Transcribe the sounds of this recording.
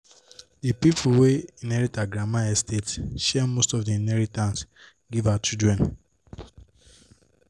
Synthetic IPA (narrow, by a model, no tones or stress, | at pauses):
dipipʰuweinɛɹitaɡɹamaɛstʰetʃɛmostɔfdiinɛɹitãns | ɡivat͡ʃudɹɛ̃n